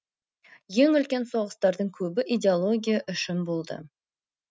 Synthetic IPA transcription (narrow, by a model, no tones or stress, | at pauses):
je̞ŋʏlkʲe̞nso̞ʁəst̪ɑɾd̪əɴkʲʰɵbɪʔidʲeolˠo̞ɡʲijaʔʏʃɪnbo̞lˠd̪ə̰